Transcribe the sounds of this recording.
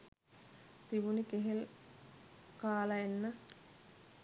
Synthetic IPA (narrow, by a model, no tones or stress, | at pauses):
t̪iʋunikeɦel | kaːlɐenːə